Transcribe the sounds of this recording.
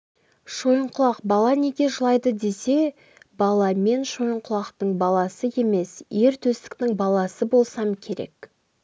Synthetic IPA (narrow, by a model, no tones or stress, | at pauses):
ʃo̞jəɴqʊlˠɑqbɑlˠɑne̞ɡʲe̞ʒəlˠɑjd̪əd̪e̞se̞ | bɑlˠɑme̞nʃo̞jəɴqʰʊlˠɑqt̪əɴbɑlˠɑsəe̞me̞sje̞ɾt̪ʰɵst̪ɪ̥kt̪ɪŋbɑlˠɑsəbo̞lˠsɑmkʲʰe̞ɾe̞̰k